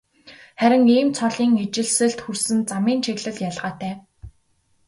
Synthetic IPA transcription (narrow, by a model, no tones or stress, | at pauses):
χæɾʲɪ̆ŋiːmt͡sʰɔɮiːŋet͡ɕɪ̆ɮsɘ̆ɮt̪xursɘ̆nt͡samiːnt͡ɕʰeɣɮɘ̆ɮjaɮʁaːt̪ʰæː